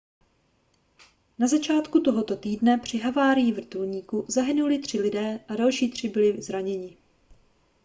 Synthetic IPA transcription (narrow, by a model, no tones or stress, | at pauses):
nazat͡ʃaːt̪kut̪o̞ɦo̞t̪o̞t̪iːdnɛpr̝̥ɪɦavaːɾɪjɪvr̩t̪ulɲiːkuzaɦɪnulɪt̪r̝̥ɪlɪdɛːʔadalʃiːt̪r̝̥ɪbɪlɪzɾaɲɛɲɪ